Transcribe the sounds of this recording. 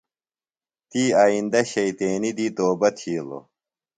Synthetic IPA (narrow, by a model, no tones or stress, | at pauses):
t̪iːaːind̪ɐɕɐit̪eːnid̪iːt̪oːbɐt̪ʰiːlo̰